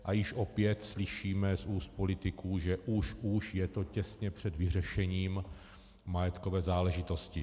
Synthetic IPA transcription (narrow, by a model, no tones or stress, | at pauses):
ʔajɪʃʔo̞pjɛt̪slɪʃiːmɛsuːst̪̚polɪt̪ɪkuːʒɛʔuʃuʃjɛt̪o̞cɛsɲɛpr̝̥ɛd̪vɪr̝ɛʃɛɲiːm | majɛt̪kovɛːzaːlɛʒɪt̪o̞scɪ